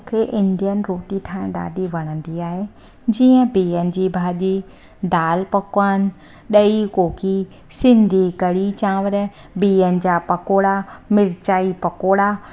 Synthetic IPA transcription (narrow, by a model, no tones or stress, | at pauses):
kʰeːʔɪ̃nd̪ijənɪ̆ɾoːʈiʈʰãːɗa̰ːɖʱiʋɐɽ̃ə̃nd̪iaːɦe | d͡ʑiːə̃biːənɪ̆d͡ʑiːbʱaːʄi | d̪aːlpɐkənɪ̆ | ɗɐikoːki | sɪ̃nd̪ʱikɐɽit͡ɕãːʋəɾ | biːənɪ̆d͡ʑaːpɐkoːɽamɪɾt͡ɕaːipɐkoːɽa